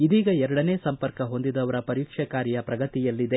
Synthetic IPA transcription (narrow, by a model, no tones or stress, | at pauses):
id̪iːɡɐɛɾɐɽɐneːsɐmpɐɾkɐɦond̪id̪ɐʋɐɾɐpɐɾiːkʂɐkaːɾijɐpɾɐɡɐt̪ijɐlːid̪e̞